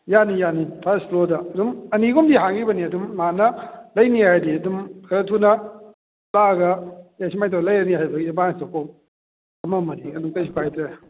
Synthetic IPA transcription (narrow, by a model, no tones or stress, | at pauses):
janijanipʰasplodɐːdumɐniɡumdiɦaŋɡibɐniɐdumːanɐlɐjniajdiɐdumkʰɐɾɐtʰunɐ | laɡɐjasimajtʰalɐjaniɦajbɐɡiebanstɐkʰom | ɐmɐmɐdiɐdumtɐjsipʰajtɾe